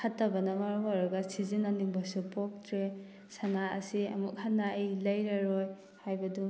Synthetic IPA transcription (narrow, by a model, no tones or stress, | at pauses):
kʰatːɐbɐnɐmaɾumɔɾaɡɐsizinaniŋbɐsupok̚tɾe | saŋaɐsiɐ̰mukhanːaejlɐjɾaɾoj | hajbɐdu